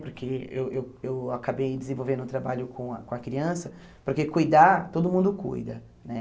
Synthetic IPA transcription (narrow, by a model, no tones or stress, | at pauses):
poɾkʰeewʔewewakabejd͡ʒɪzẽvowvẽnʊ̃t̪ɾabaʎʊkʰõɐkõɐkɾiɐ̃sɐpoɾkekujd̪at̪od̪ʊmũnd̪ʊkṵjd̪ɐ̰ | nɛ